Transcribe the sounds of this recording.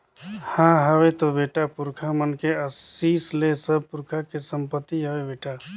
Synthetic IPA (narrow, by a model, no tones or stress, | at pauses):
hãːɦəwet̪obeːʈapʊɾkʰamənkeəsiːslesəb̚pʊɾkʰakesə̃mpət̪ːiɦəwebeːʈa